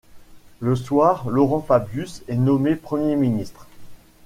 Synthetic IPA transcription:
ləswaːʁlɔʁɑ̃fabjysɛnɔmepχəmjeminist̪χ

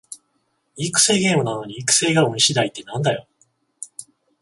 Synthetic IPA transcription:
ikɯ̟̥se̞ːɡe̞ːmɯ̟nano̞ɲ̟iikɯ̟̥se̞ːɡamoɲiɕid̪ait̪ːe̞nãnd̪ajo̞

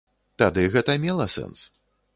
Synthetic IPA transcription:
t̪ad̪ɨɣɛt̪ɐmʲɛlˠɐsɛ̰ns

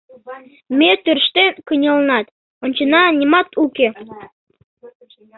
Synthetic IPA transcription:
met̪ørʃt̪enkənʲəlnɑt̪ | onʲt͡ɕənɑnʲimɑt̪uke

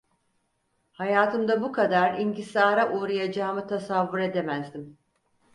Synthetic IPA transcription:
hajaːt̪ʰɯmd̪abukʰad̪aɾiɲɟisaːɾaʔuːɾajad͡ʒaːmɯt̪ʰasavːuɾe̞d̪e̞mæzd̪im

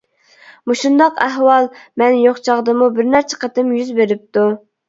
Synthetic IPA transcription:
muʃund̪ɑqæɦwɑlˠmɛnjoχt͡ʃʰɑʁd̪əmubɪɾnæɾt͡ʃʰɛ̥qɑt̪ɪmjyzbeɾɪp̚t̪u

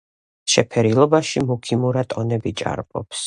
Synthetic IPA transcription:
ʃɛpʰɛɾilˠɔbaʃimukʰimuɾat̪ʼɔnɛbit͡ʃʼa̰ɾpʼɔ̰ps

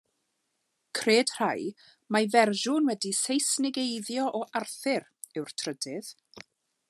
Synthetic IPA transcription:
kʰreːd̥r̥aj | mavɛrʒʊnwɛdisejsnɪɡejðjɔʔɔʔarθɪɾ | ɛwrtʰrədɪð̥

